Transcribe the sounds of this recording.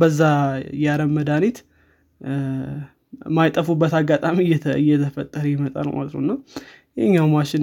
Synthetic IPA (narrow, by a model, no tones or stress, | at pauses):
bəzːajaɾəmːəd̪anit̪ | majt̪ʼəfubːət̪aɡat̪ʼamijɛɨjɛt̪ʰəfət̪ʼːəɾəjɪmət̪ʼa̰lma̰t̪ɾo̰nːaw | jɛɲːawmaʃɪn